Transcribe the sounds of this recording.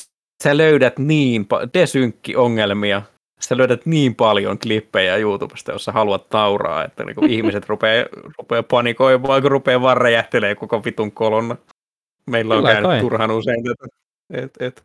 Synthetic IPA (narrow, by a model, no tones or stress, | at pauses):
st̪æløydæt̪niːmpɑ̰d̪esyŋkːḭʔoŋːelmiɑ | sæløydæt̪niːmpɑljoŋklipːejɑjuːt̪ub̥e̥st̪ɑjo̰sːɑhɑluɑt̪nɑurɑ̰ːḛt̪ːæ̰nḭːŋkuihmiset̪rupeːrupeːpɑnikoiʋɑːikurupeːʋɑrːejæht̪eleːkokoʋit̪uŋkolonːˑɑ | meilːæoŋæynytt̪ːurhɑnuseinæt̪ | et̪et̪